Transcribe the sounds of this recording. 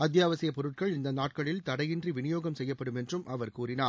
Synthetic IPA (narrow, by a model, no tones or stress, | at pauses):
ɐd̪̬jaːʋɐsɪjɐpɔɾɯʈ̚kɐɭɪnd̪ɐnaːʈ̚kɐɭɪlt̪ɐɽɐjɪndriʋɪnɪjoːɣɐmsɛjːɐpːɐɽɯmɛndrɯmʔɐʋɐɾkuːrɪnaː